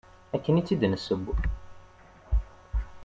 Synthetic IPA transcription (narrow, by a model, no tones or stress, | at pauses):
ækːənit͡sːid̪nəsəb